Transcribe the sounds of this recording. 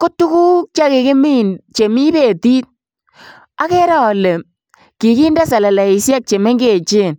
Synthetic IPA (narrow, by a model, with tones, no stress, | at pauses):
ko˦tu˦ku˦k̚t͡ʃa˦ke˨ke˦mi˦˨nt͡ʃe˨mi˦be˦˨ti˦t̚ | a˦kɛ˦ɾa˦˨lɛ˨ | ki˨ki˦nda˦sa˨la˨la˨i˨sja˦k̚t͡ʃe˨me˦ŋɡe˦˨t͡ʃe˦˨n